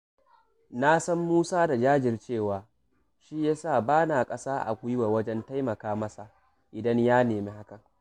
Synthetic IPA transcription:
na˦sɐ˦mːuː˦saː˦da˨d͡ʒaː˦d͡ʒɪ˨rt͡ʃeː˦˨waː˨ | ʃi˦jaː˦saː˦˨baː˦naː˨kʼɐ˦saː˦ʔa̰˨kʷʊ˦jwa˨wɐ˦d͡ʒɛ˦nta˦jmɐ˨kaː˦mɐ˦sa˨ʔ | ʔɪ˨dɐ˦ɲjaː˦neː˨meː˦ha˦kɐ˨ŋ

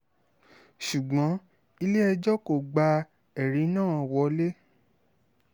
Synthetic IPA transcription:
ʃu˨ɡ͡bɔ̃˨˦ | i˧le˦ɛ˧d͡ʒɔ˦ko˦˨ɡ͡ba˧ | ɛ˨ɾi˨˦nãː˦˨wɔ˧˦le˦

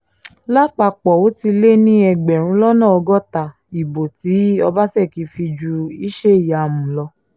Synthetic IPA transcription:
la˦k͡pa˧k͡pɔ˨o˨˦ti˧le˦nĩ˦ɛ˧ɡ͡bɛ˨ɾ̃ũ˨˦lɔ˦nã˦˨ɔ˧ɡɔ˦ta˨ | i˨bo˨ti˨˦ɔ˧ba˦sɛ˦˨ki˧˦fi˧d͡ʒu˧i˦ʃe˦i˦˨ja˨mũ˨lɔ˧

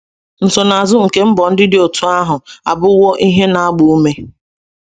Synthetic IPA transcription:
n̩˨sɔ˨na˨zʊ˦ŋ̩˨ke˨˦m̩˦bɔ˨n̩˦dɪ˦dɪ˨˦o˨tʰu˦a˦ɦʊ˨a˨bʊ˦wɔ˦ʔi˦ɦe˦na˨a˦ɡ͡bʊ˨u˦me˦

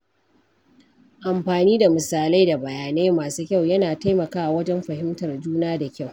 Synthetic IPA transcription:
ʔa˨mɸaː˨niː˦da˨mɪ˨saː˨la˦jda˨bɐ˨jaː˨neː˦maː˨suː˦kʲa˦˨wjɐ˦naː˨ta˦jmɐ˨kaː˦ʔa˨wɐ˦d͡ʒɛ˦mɸɐ˨hɪ˦mtɐ˨rd͡ʒuː˦naː˦da˨kʲa˦˨w

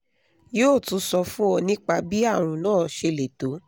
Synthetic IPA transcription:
joː˦˨tũ˨˦sɔ˧fũ˦ɔ˧nĩ˦k͡pa˧bi˦a˦˨w̃ũ˨˧nãː˦˨ʃe˧le˨to˨˦

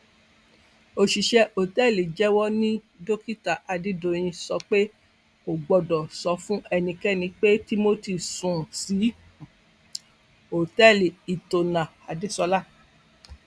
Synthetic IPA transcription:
o˧ʃi˨ʃɛ˧˦ʔo˨tɛ˦˨li˨d͡ʒɛ˦wɔ˦nĩ˦ | do˦ki˦ta˨ʔa˧di˦do˨j̃ĩ˧sɔ˧˦k͡pe˦ | o˨ɡ͡bɔ˨dɔ˨sɔ˧˦fũ˦ʔɛ˧nĩ˧kɛ˦˨nĩ˧k͡pe˦ti˦mo˦ti˦˨sũ˨si˨˦ | o˨tɛ˦˨li˨i˨to˨nã˨ | a˨di˨˦sɔ˧la˦˨

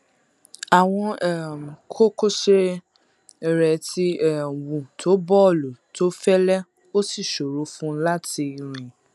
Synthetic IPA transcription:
a˨w̃ɔ̃˧ɛ˦˨m̩˨kʰo˦ko˦ʃe˦ | i˨ɾɛ˨˦ti˦ɛ˨wũ˨tʰo˨˦bɔ˦˨lo˨to˦fɛ˦lɛ˦ | o˦si˦˨ʃo˨ɾu˨˦fũ˦la˦ti˧i˨ɾ̃ĩ˨

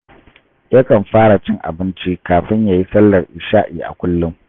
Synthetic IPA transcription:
jɐ˦kɐ˨mɸaː˦ɽa˨t͡ʃɪ˦ŋʔa̰˨bɪ˦nt͡ʃi˦kaː˨ɸɪ˦ɲjaː˨ji˦sɐ˦lːɐ˨rʔɪ˨ʃaː˦ʔiː˨ʔa̰˨kʷʊ˦lːʊ˦m

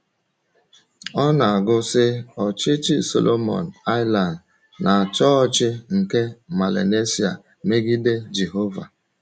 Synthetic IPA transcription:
ɔ˦na˨a˨ɡʊ˦sɪ˦ɔ˨t͡ʃɪ˦t͡ʃɪ˦so̰˨lʔo˦mɔ̰˨na˦ɪ˦la˨n˨ | nʔa˨a˨t͡ʃɔ˦t͡ʃɪ˦ŋ̩˨ke˦ma˨lḛ˨ne˦si˨a̰˨ | me˦ɡi˦de˦d͡ʒe˨ɦo˦va̰˨

